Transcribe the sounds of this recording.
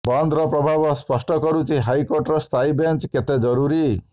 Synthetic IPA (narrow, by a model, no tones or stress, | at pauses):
bɔnd̪ʱɾɔpɾɔbʱabɔspɔsʈɔkɔɾut͡ʃʰiɦajkɔɾʈɾɔst̪ʰajbent͡ʃket̪ed͡ʒɔɾuɾi